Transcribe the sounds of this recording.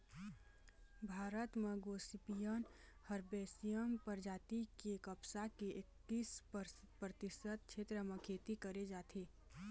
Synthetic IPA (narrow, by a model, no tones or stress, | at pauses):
bʱaːɾət̪meɡoːsipijən | həɾbeːsijəmpəɾd͡ʒaːt̪ikikəpsakeʔɪkːiːs | pɾət̪ɪsət̪̚t͡ʃʰeːt̪ɾəmẽkʰeːt̪ikəɾed͡ʒaːt̪ʰeː